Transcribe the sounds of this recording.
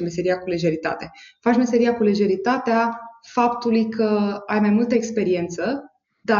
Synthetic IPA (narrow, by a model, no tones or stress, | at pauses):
mese̞ɾiakule̞ʒe̞ɾit̪a̰t̪e̞fat͡ʃme̞se̞ɾijakule̞ʒe̞ɾit̪at̪eafapt̪ulujkʰəajmajmult̪əekspe̞ɾie̞nt̪sə | d̪a